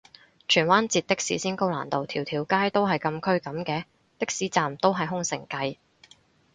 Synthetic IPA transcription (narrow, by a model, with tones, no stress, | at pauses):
t͡ʃʰyː˨˩nwaː˥nt͡siː˧t̚t̪ɪ˥k̚sḭː˨˥siː˥nko˥wla̰ː˨˩nt̪o˨wt̪ʰiː˨˩wt̪ʰiː˨˩wkaː˥jt̪o˥wɦɐ˨jkɐ˧mkʰɵ˥ɥkɐ˨˧˥mkɛː˧ | t̪ɪ˥k̚siː˨˥t͡saː˨mt̪o˥wɦɐ˨jɦʊ˥ŋsɪ̰˨˩ŋkɐ˧j